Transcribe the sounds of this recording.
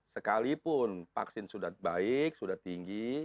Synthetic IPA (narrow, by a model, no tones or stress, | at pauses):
səkalipʊnfa̰ksɪnsudahbaɪk̚sudaht̪iŋɡi